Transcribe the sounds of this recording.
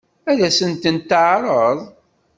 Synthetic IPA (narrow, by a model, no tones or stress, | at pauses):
æðæsənt̪ənt̪ːəʕɾˤəðˤ